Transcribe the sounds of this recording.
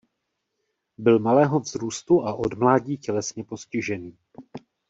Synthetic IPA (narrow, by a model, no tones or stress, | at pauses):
bɪlmalɛːɦo̞vzɾuːst̪uʔaʔo̞dmlaːɟiːcɛlɛsɲɛpo̞scɪʒɛniː